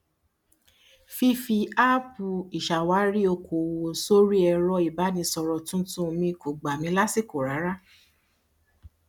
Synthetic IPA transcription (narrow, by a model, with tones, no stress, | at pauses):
fi˦fi˧a˦pu˨i˨ʃa˨wa˨˦ɾi˦o˧kʰo˨wo˨so˦ɾi˦ɛ˧ɾɔ˧i˨ba˨˦nĩ˧sɔ˧ɾɔ˧tũ˦tũ˦˧mĩ˧kʰo˨ɡ͡ba˨mĩ˧˦la˦si˦˨ko˨ɾa˨˦ɾa˦